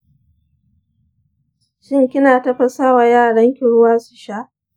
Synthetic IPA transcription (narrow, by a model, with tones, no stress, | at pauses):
ʃɪ˦ŋkʲɪ˦naː˨tɐ˦ɸɐ˨saː˦waː˨jaː˦˨ɽɐ˦ŋkʲɪ˨ɽʊ˦waː˦su̥˨ʃa˦ʔ